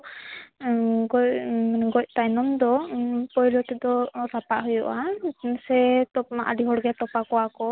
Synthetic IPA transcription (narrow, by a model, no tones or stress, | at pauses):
ɡɔɡɔc̚t̪ajnɔmd̪ɔpɔjlɔt̪ɛd̪ɔɾapaʔɦɔjɔʔasɛt̪ɔp̚maʔaɖiɦɔɽɡɛt̪ɔpakɔwakɔ